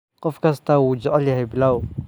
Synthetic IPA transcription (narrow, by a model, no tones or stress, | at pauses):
qəfkast̪awud͡ʒʔalihablaw